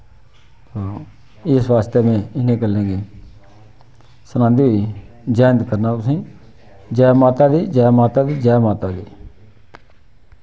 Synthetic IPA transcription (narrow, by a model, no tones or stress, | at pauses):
t̪oː | ɪsʋaːst̪emẽːɪnẽːkəlẽːɡeː | sənãːnd̪iːɦoiːd͡ʒaːnd̪kəɾnaːt̪ʊsĩː | d͡ʒaːmaːt̪aːd̪iːd͡ʒaːmaːt̪aːd̪iːd͡ʒaːjmaːt̪aːd̪iː